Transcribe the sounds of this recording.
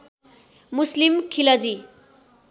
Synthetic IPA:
muslimkʰilʌd͡zi

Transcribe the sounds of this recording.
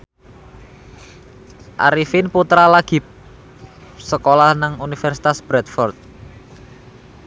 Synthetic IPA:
ʔa̰ɾifɪnput̪ɾalaɡ̥i̤ | səkolahnaŋunifɛrsi̥t̪asb̥ɾɛt̪fɔrt̪̚

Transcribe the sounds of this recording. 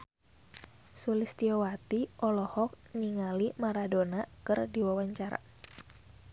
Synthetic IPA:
sulist̪iɔwat̪iʔɔlɔhɔk̚ | niŋalimaɾadonakɨrdiwawaɲt͡ʃaɾa̰

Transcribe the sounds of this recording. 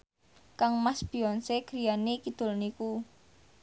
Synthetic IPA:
kaŋmasb̥iɔnseɡ̥ɾianikid̪̥ʊ̤lniku

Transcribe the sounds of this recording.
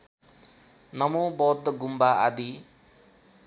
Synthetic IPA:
nʌmobɔd̪ɡumbaʔa̰d̪i

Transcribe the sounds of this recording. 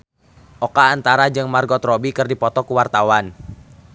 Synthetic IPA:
ʔɔkaːnt̪aɾad͡ʒɨŋmarɡɔt̪rɔbikɨrdipɔt̪ɔkuwart̪awan

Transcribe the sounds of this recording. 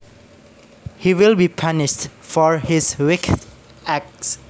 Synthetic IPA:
hiwɪlbipʰanɪʃtfɔɹhɪswɪk | æk̚s

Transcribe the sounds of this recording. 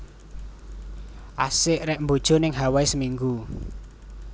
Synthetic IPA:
ʔasɪʔɾɛʔmbod̥ʒ̥o̤nɪŋɦawaisəmiŋɡu

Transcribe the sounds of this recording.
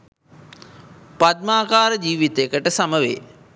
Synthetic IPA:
pat̪̚maːkaːɾəd͡ʒiːʋit̪eəkəʈəsaməʋḛː

